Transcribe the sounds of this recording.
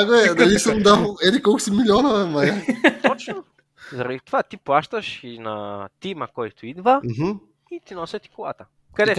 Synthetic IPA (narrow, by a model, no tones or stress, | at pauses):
aɡoɛd̪lisəmd̪aɛd̪ikɔlˠkʊ̥similʲiɔnovɛmɐjat̪ɔt͡ʃno | zɐɾɐd̪it̪ovat̪iplˠaʃt̪ɐʃinɐt̪imɐkɔjt̪ʊid̪vəɦ̩ | it̪inɔsʲɐt̪i̥kolˠa̰t̪ə | kɐd̪ɛ